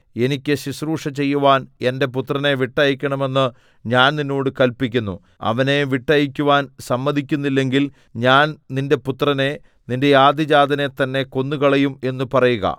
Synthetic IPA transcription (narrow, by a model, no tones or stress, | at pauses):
e̞nikʲːɨɕisruːʂɐt͡ɕe̞jːuʋaːne̞nde̞put̪rɐne̞ʋiʈːɐjikʲːɐɳɐme̞nːɨ | ɲaːnninːo̞ːɽɨkɐlpikʲːunːṵ | ɐ̰ʋɐne̞ʋiʈːɐjikʲːuʋaːnsɐmːɐd̪ʱikʲːunːilːe̞ŋɡil | ɲaːnninde̞put̪rɐne̞ | ninde̞jaːd̪ʱid͡ʑaːd̪ʱɐne̞t̪ɐnːe̞ko̞nːukɐɭɐjume̞nːupɐrɐjuɣɐ̰